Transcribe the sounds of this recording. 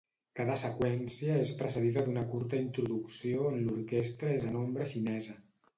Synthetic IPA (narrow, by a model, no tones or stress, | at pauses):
kaðəsəkwɛnsiəespɾəsəðiðəðunəkuɾt̪əint̪ɾuðuksioənluɾkest̪ɾəezənombɾəʃinɛzə